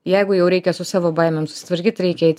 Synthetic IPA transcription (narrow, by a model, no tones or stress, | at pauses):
jɛɪɡʊjɛʊɾʲɛɪkʲɛsʊsɑːʋoːbɐɪmʲɛmsʊ̥sʲɪ̥t̪ʋɐɾʲkʲiːt̪ʲɾʲɛɪkʲɛɛɪt̪ʲ